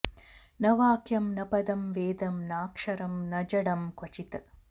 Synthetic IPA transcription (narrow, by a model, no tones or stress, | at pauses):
nɐʋaːkjɐmnɐpɐd̪ɐmʋeːd̪ɐmnaːkʂɐɾɐmnɐd͡ʒɐɽɐmkot͡ʃit̪ɐ